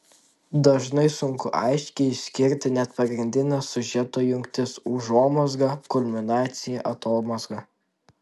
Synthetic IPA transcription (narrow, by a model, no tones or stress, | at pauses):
d̪ɐʒnɐɪsʊŋkʊʔɑ̰ɪʃʲkʲɛɪɪʃsʲkʲɪɾʲt̪ʲɪnʲɛt̪pɐɡɾʲɪnʲd̪ʲɪnʲɛsʊʒʲɛt̪oːjʊŋʲkʲt̪ʲɪsuːʒoːmɐzɡɐkʊlʲmʲɪnɑːt̪sʲɪjɛʔɐt̪oːmɐzɡɐ